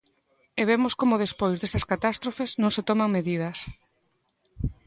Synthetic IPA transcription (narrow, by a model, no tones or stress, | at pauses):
eβemoskomʊð̞espojzðest̪ɐskat̪ast̪ɾofeznõŋset̪ɔmaŋmeðið̞ɐs